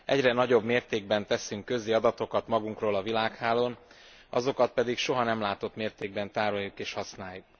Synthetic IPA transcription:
ʔɛɟrɛnɒɟo̞bmeːrt̪eːɡ̚bɛnt̪ɛsyŋkːø̞ziɒd̪ɒt̪o̞kɒt̪mɒɡuŋkroːlɒvilaːkhaːloːn | ɒzo̞kɒt̪̚pɛd̪ikʃo̞ɦɒnɛmlaːt̪o̞t̪meːrt̪eːɡ̚bɛnt̪aːɾojːukeːʃhɒsnaːjːuk̚

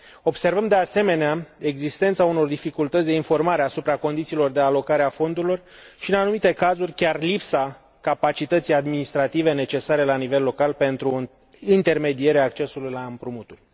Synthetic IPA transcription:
o̞bse̞rvəmd̪e̞ase̞me̞neae̞ɡzist̪e̞nt̪sauno̞rd̪ifikult̪ət̪sd̪e̞info̞rmaɾeasupɾako̞nd̪it̪silo̞rd̪e̞alo̞kaɾeafo̞nd̪uɾilo̞rʃiɨnanumit̪e̞kazurʲkʲarlipsa | kapat͡ʃit̪ət̪sijad̪minist̪ɾat̪ive̞ne̞t͡ʃe̞saɾe̞lanive̞lːo̞kalpe̞nt̪ɾu | int̪e̞rme̞d̪ie̞ɾeaːkt͡ʃe̞sulujlaɨmpɾumut̪urʲ

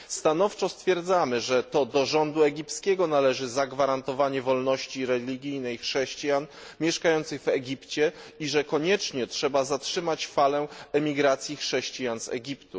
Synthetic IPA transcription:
st̪anɔft͡ʂɔst̪fʲjɛɾd̪zamɘʐɛt̪ɔd̪ɔʐɔnd̪uɛɡʲiptskʲɛɡɔnalɛʐɘzaɡvaɾant̪ɔvaɲɛvɔlnɔɕt͡ɕiɾɛlʲiɡʲijnɛjxʂɛɕt͡ɕijan | mʲjɛʂkajɔnt̪sɘɣvɛɡʲipt͡ɕɛiʐɛkɔɲɛt͡ʂɲɛtʂɛbazatʂɘmat͡ɕfalɛɛmʲiɡɾat̪sʲjixʂɛɕt͡ɕijansɛ̰ɡʲipt̪u

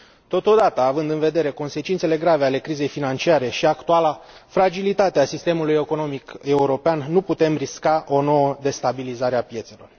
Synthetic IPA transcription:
t̪o̞t̪o̞d̪at̪əːvɨnd̪ɨnve̞d̪e̞ɾe̞ko̞nse̞t͡ʃint̪se̞le̞ɡɾave̞ale̞kɾize̞jfinant͡ʃiaɾe̞ʃiakt̪ualafɾad͡ʒilit̪at̪easist̪e̞mulujeko̞no̞mike̞uɾo̞peanːuput̪e̞mriskaʔo̞no̞wəd̪e̞st̪abilizaɾeapje̞t̪se̞lo̞̰r

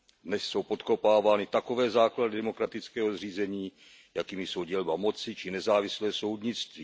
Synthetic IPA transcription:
dnɛsso̞wpo̞t̪ko̞paːvaːnɪt̪ako̞vɛːzaːkladɪdɛmo̞kɾat̪ɪt͡skɛːɦozriːzɛɲiː | jakiːmɪso̞wɟɛlbamo̞t͡sɪt͡ʃɪnɛzaːvɪslɛːso̞wdɲɪt͡st̪viː

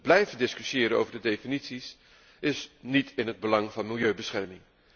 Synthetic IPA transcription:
blɛjvədɪskyʃjɪːɾəno̰wvəɹdədejfinitsis | ɪsnitɪnɦəd̚bəlɑŋvɑnmɪlˠjøɥbəsχɛɹmɪŋ

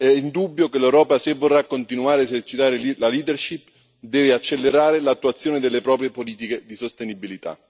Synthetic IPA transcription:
ɛind̪ubːjokelɛwɾɔːpasevːorːakːont̪inuaːɾeːzert͡ʃit̪aːɾellaliːd̪erʃipː | d̪ɛːveat͡ʃːelːeɾaːɾelat̪ːuat̪sːjoːnɪd̪elːepɾɔːpɾjepoliːt̪iked̪isost̪enibilit̪a̰

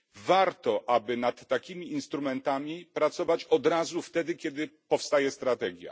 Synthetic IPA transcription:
vaɾt̪ɔʔabɘnat̪ːakʲimʲiːnst̪ɾumɛnt̪amʲipɾat̪sɔvat͡ɕɔd̪ɾazuft̪ɛd̪ɘkʲɛd̪ɘpɔfst̪ajɛst̪ɾat̪ɛɡʲja̰

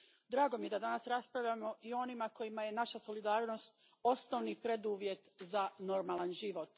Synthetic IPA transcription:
d̪ɾaːɡo̞mije̞d̪ad̪anasɾaspɾavʋʎʲamo̞ʔio̞nimako̞jimaje̞naʃaso̞lid̪aːɾno̞st̪ | o̞snoʋnipɾe̞d̪uʋje̞t̪zano̞ɾmaːlˠanʒiʋo̞t̪

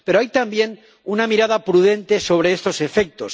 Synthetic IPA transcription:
pe̞ɾoajt̪ambje̞n | unamiɾað̞apɾuðe̞nt̪e̞so̞β̞ɾe̞est̪o̞se̞fe̞k̚t̪o̞s

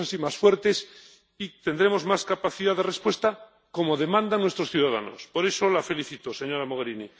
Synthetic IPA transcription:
asimasfwe̞ɾt̪e̞s | it̪end̪ɾe̞mozmaskapaθiðaðe̞respwe̞st̪a | ko̞mo̞ðe̞mãnd̪anwe̞st̪ɾo̞sθjuðaða̰no̞̰spo̞ɾe̞so̞lafe̞liθit̪ose̞ɲo̞ɾamoɣ̞eɾini

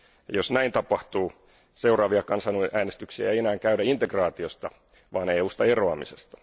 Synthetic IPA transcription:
josnæint̪ɑpɑht̪uː | seurɑːʋiɑkɑnsɑnuʔæːnest̪yksiæejenæːŋkæydæint̪ekrɑːt̪iost̪ɑ | ʋɑːneːuːst̪ɑeroɑmisest̪ɑ̥

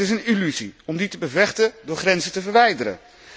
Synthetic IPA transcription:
ɪsənilyziɔmditəbəvɛχtəndʊːɹχrɛnzətəvəɹʋɛjdəɾə̰n

